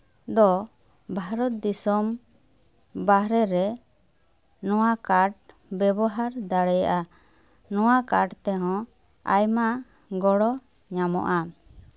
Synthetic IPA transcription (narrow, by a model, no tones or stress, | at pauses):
d̪ɔ | bʱaɾɔt̪̚d̪isɔm | baɦɾɛɾɛ | nɔwakaʈ̚ | bɛbɔɦaɾd̪aɽɛja̰ʔa | nɔ̃wakaʈt̪ɛɦɔ̃ | ajmaʔ | ɡɔɽɔ | ɲamɔ̰ʔa